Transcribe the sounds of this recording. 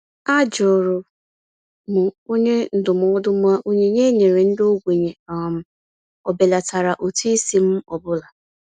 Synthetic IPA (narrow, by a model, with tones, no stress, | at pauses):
a˦d͡ʒʊ˨ɾʊ˨ | mʊ˨o˦ɲe˦n̩˨dʊ˨m˨ɔ˦dʊ˦mʊ˦a˦ʔo˦ɲe˦ɲe˦ɲe˨ɾe˨n̩˦do˦ɡʷe˨ɲe˨m˨ | ɔ˨be˨la˨ta˨ɾa˨ʔo˨tu˦i˦si˦m̩˦ɔ˨bʊ˦la˨